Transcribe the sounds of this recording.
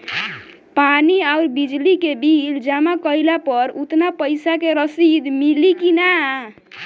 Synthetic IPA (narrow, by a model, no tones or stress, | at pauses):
paniaʊɾbid͡ʒlikebild͡ʒamakəilapəɾut̪napəjsakeɾəsid̪milikina